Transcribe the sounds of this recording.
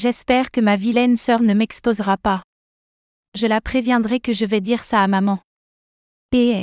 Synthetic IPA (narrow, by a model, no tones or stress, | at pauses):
ʒɛspɛʁkəmavilɛnsœʁnəmɛkspozʁapa | ʒəlapχevjɛ̃d̪ʁɛkəʒəvɛd̪iʁsaːmamɑ̃ | peɛ